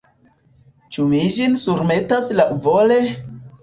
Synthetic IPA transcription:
t͡ʃumid͡ʒinsuɾme̞taslaʔuvole̞

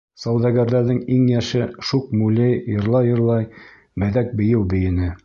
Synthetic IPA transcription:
sɑwd̪ɑɡæɾðæɾðɘŋiŋjæʃɘʃuq̚mulʲɘjjɤ̆ɾlˠɑjɤ̆ɾlˠɑj | mɘ̆ðæk̚bɘ̆jɘwbɘ̆jɘ̆nɘ

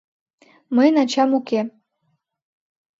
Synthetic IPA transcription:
məjnɑt͡ɕɑmuke

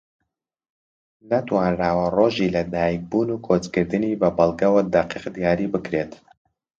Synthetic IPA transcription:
nɐt̪wɑːnɾaːwɐroʒilɐd̪aːjik̚bunukʰot͡skɨɾd̪ɨnibɐbɐlˠɡɐwɐd̪aqiqd̪ijaːɾibɨkɾet̪

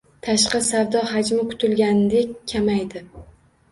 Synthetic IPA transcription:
t̪ʰaʃqɑsawd̪ɒɦad͡ʒmɪkʰʊ̥t̪ʰɪlɡʲanɪd̪e̞kʲʰːamajd̪ɪ

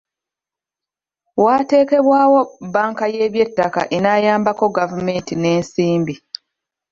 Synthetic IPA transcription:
waːte̞ːke̞βwaːwo̞baːŋkaje̞ːβje̞tːaka̰ʔenaːjaːmbako̞ɡavume̞ːntine̞ːnsiːmbi

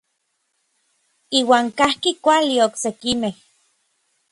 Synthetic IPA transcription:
iːwaːŋkahkikʷalioksekimeh

